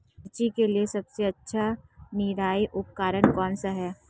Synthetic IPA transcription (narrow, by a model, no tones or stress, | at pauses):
t͡ʃikeliesɐbseɐtːʃʰaniːɾaːiʔʊp̚kaːɾənkɔːnsaɦɛː